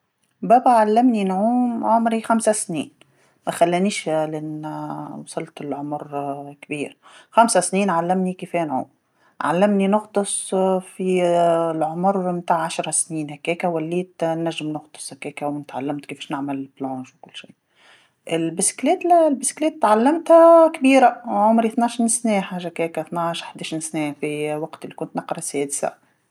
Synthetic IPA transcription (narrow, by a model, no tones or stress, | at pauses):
bæbæʕalːæmninʕuːmʕʊmɾixamsæsnḭːn | mæxælːæniːʃlʔɪnwɑsˤɑlːt̪ɪlʕomɾkbiːɾxamsæsniːnʕalːɪmnikifeːnʕṵːm | ʕa̰lːɪmninʊɣt̪ˤɨsˤfilʕomɾmt̪aːʕʕaʃɾˤɑsniːnhækːɛːkæwælːiːt̪nːæʒːɪmnʊxt̪ˤɨ̥sˤhækːɛːkæwnɪt̪ʕalːɪmt̪kifɛːʃnɪʕmɪlblõːʃwkʊlːʃḭː | ʔɪlbɪsklɛːt̪lbɪsklɛːt̪ːʕalːɪmt̪hækbiːɾaʕʊmɾiθnaʃinsnɛːħaːʒakɛːkæθnaʕʃħd̪æːʃiːnsnɛːfiwɑqt̪ɪlːikʊnt̪nɑqɾˤɑsɛːd̪sa̰